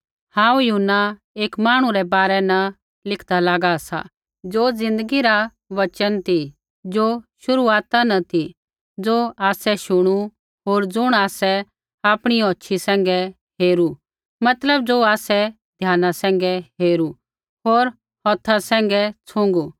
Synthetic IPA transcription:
hãːũjʊɦʊnːa | eːkmaːɽ̃ũɾɛbaːɾɛnɐ | lɪkʰd̪alaːɡasa̰ | d͡zoːd͡zɪ̃nd̪əɡiɾa | ʋɐt͡ʃənt̪i | d͡zoːʃʊɾuaːt̪anɐt̪ʰi | d͡zoːaːsɛʃʊɽ̃u | ɦoːɾd͡zʊɽ̃aːsɛ | aːpɽ̃iɔːtːʃʰisɛ̃ːŋ̆ɡɛ | ɦeːɾu | mɐt̪ləbd͡zoːaːsɛ | d̪ʱjaːnasɛ̃ːŋ̆ɡɛɦeːɾu | ɦoːɾ | hɔːt̪ʰasɛ̃ːŋ̆ɡɛt͡sʰʊ̃ŋɡu

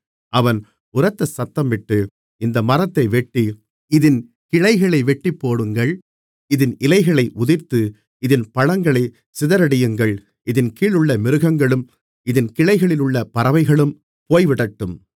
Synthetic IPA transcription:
ʔɐʋɐn | ʊrɐt̪ːɐsɐt̪ːɐmʋɪʈːɯ | ɪnd̪ɐmɐrɐt̪ːɐɪʋɛʈːi | ɪðɪn | kɪɻɐɪɣɐɭɐɪʋɛʈːipːoːɽɯŋɡɐɭ | ɪðɪnʔɪlɐɪɣɐɭɐɪʔʊðɪɾt̪ɯ | ɪðɪnpɐɻɐŋɡɐɭɐɪ | sɪðɐɾɐɽɪjɯŋɡɐɭ | ɪðɪnkiːɭɯɭːɐmɪɾɯɣɐŋɡɐɭɯm | ɪðɪnkɪɭɐɪɣɐɭɪlɯɭːɐpɐɾɐʋɐɪɣɐɭɯm | poːjʋɪɽɐʈːɯm

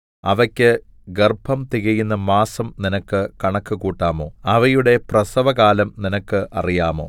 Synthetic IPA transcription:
ɐʋɐkʲːɨ | ɡerbʱɐmt̪iɣɐjunːɐmaːsɐmninɐkːɨkɐɳɐkːɨkuːʈːaːmo̞ːɐʋɐjuɽe̞prɐsɐʋɐɣaːlɐmninɐkːɨʔɐ̰rijaːmo̞̰ː

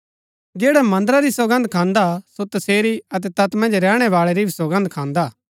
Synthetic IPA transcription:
d͡ʒɛːɽɛmɐ̃nd̪əɾaɾisoɡə̃nd̪kʰãːnd̪asot̪ɐseːɾiɐt̪̬ɛt̪ɐt̪mɐ̃nd͡ʒɾɛːɽ̃ɛʋaːɭɛɾibʱisoɡə̃nd̪̚kʰãːnd̪aː

